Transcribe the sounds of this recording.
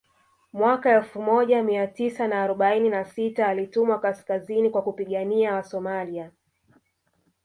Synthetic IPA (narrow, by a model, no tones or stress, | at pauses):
mwakaɛlfumɔʄamiatisanaːɾɔɓaininasitaːlitumwakaskazinikwakupiɠaniawasɔmalia